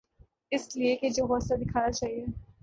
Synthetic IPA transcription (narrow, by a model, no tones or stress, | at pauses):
ɪslieked͡ʒoːɦɔːsad̪ɪkʰaːjat͡ʃaːɦiɛː